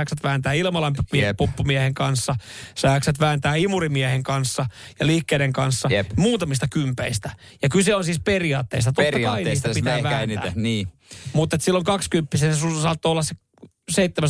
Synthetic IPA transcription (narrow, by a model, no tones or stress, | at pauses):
ksæt̪ʋæːnt̪æːilmɑlɑmmpupːumiɛheŋkɑnsːɑsæksæt̪ʋæːnt̪æːimurimiæheŋkɑnsːɑjɑlihkːeːɾeŋkɑnsːɑmuːt̪ɑmist̪ɑkympeist̪æ | jɑkylseonsiːsperiɑːt̪ːḛist̪ɑt̪oɑkɑinist̪ɑpitt̪æːʋææːnæ̰ːniː | mut̪ːet̪silːoŋkɑkskympːisenesusɑːt̪ːoːolːɑsse | seit̪ːemæ